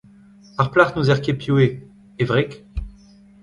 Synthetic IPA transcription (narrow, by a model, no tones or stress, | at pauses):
paʁplaʁnuzɛʁkʲepjue | evʁek